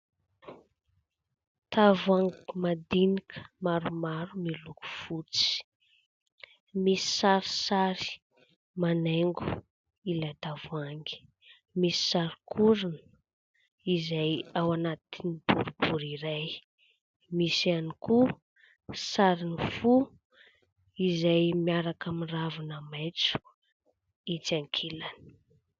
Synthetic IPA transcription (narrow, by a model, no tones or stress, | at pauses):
t̪avaŋɡmad̪inikʰə̥maɾumaɾumiluku̥fut͡si̥ | misi̥saɾi̥saɾi̥ | maneŋɡu̥ | ilajt̪avuaŋɡi̥ | misi̥saɾikʰuɾinə̥ | izajawanat̪inib̥uɾubuɾiɾaj | misianiku | saɾinifu | izajmiaɾakamiravanamajt͡su̥ | it͡saŋkʰilani̥